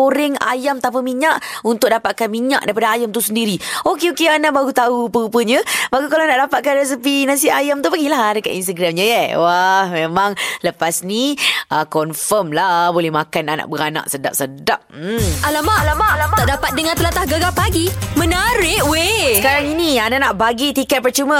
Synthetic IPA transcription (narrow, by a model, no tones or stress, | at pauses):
oɾɪŋa̰jamt̪apəmiɲaʔunt̪ʊk̚dapaʔ̪̚kanmiɲa̰ʔdaipadaajamt̪usəndiɾiokeokeanaʔbaɡut̪aupəupəɲəbaɡukalanaʔdapat̪ʔ̪̚kanrɛs̬əpinasiajamt̪upəɡilaɦdəka̰t̪ḭnst̪əɡɾamɲajəwahmemãŋləpasniʔəkɔnfəmlabolɛhmakanana̰ʔbəɾana̰ʔsəda̰p̚sədap̩̚alamaʔlamaaaʔdapat̪̚dəŋant̪əlat̪ahɡəɡapaɡimə̃naɾɪʔweəkaɾaŋinĩananaʔbaɡit̪ikɛt̪̚pərt͡ʃumə̃